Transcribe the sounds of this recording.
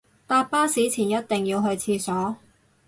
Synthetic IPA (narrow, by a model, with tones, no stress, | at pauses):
t̪aː˧p̚pːaː˥siː˨˥t͡sʰiː˨˩njɐ˥t̚t̪ɪ˨ŋjiː˧wɦɵ˧ɥt͡sʰiː˧sɔː˨˥